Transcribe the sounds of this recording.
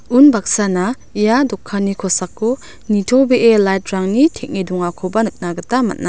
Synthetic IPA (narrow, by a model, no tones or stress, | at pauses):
unbak̚sana | ijadɔkʰːanikʰɔsakːu | nitʰowbeʔelajt̚ɾaŋnitʰek̚niduŋakʰɔbɐnɯk̚naɡɐtama̰t̚na